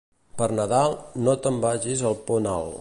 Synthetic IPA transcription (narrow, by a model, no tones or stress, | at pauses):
pəɾnəðalˠnot̪əmbaʒizəlˠpɔna̰lˠ